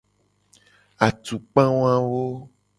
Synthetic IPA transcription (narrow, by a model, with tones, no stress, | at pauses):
a˨t̪u˨k͡pã˦wõ˦ã˦wo˦